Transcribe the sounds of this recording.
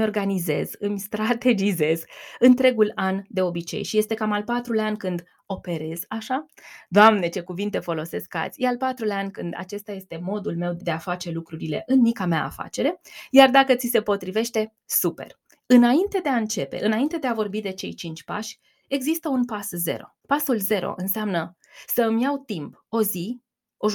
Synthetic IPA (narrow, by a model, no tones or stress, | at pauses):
mʲo̞rɡanize̞̰z̥ɨmʲst̪ɾat̪e̞d͡ʒize̞zɨnt̪ɾe̞ɡuland̪e̞o̞bit͡ʃe̞̰jʃije̞st̪e̞kamalpat̪ɾulanʲkɨnd̪ | o̞pe̞ɾe̞zaʃad̪oamne̞t͡ʃe̞kuvint̪e̞fo̞lo̞se̞ska̰t̪sʲjealpat̪ɾulanʲkɨnd̪a̰t͡ʃe̞st̪aje̞st̪e̞mo̞d̪ulme̞wd̪e̞afat͡ʃe̞lukɾuɾile̞̰ʔɨnmikameaa̰fa̰t͡ʃe̞ɾe̞jard̪akət̪sise̞po̞t̪ɾive̞ʃt̪e̞ | supe̞̰r | ɨnaint̪e̞d̪e̞aɨnt͡ʃe̞pe̞̰ʔɨnaint̪e̞d̪e̞avo̞rbid̪e̞t͡ʃe̞̰jt͡ʃint͡ʃʲpa̰ʃʲ | e̞ɡzist̪əunpasze̞̰ɾo̞̰pasulze̞ɾo̞̰ʔɨnseamnə | səɨmjawt̪imp | o̞zi | oʒ